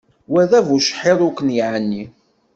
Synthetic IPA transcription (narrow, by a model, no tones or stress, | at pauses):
wæðævuʃħeðˤʊkːənjiʕənːi